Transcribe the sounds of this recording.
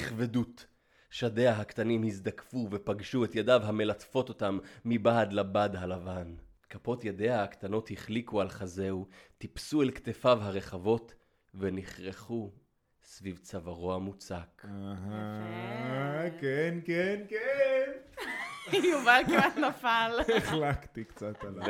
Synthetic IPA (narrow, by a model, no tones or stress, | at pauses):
iχvedut | ʃade̞aɦakt̪animhizd̪akfuvepaɡʃuet̪jadavɦame̞latfo̞to̞tamːibaːdlabadɦalavan | kapo̞t̪jade̞ahːkt̪ano̞thiχlikualχaze̞wtipsuelkt̪efavɦaʁe̞χavo̞t | ve̞niχʁeχu | svivt͡savaʁo̞amut͡sakaɦa | kenkenken | juvalkanafaleχlakt̪ikt͡sat̪a